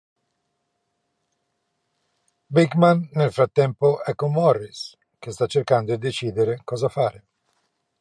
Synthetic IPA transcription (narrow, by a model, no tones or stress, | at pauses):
bikmanːelfɾat̪ːɛmpoʔɛkːomːɔrːis | k̟est̪at͡ʃːerkand̪oid̪et͡ʃiːd̪eɾekɔːzafaːɾe